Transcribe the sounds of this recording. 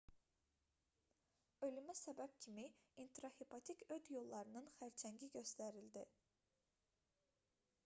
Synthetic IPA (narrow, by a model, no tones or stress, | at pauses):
ø̞lymæsæbæb̥cʲʰimiint̪ɾohepʰɑt̪ʰicʰød̪jo̞lˠːɑɾɯnɯnχæɾt͡ʃʰæɲɟiɟø̞st̪æɾild̪i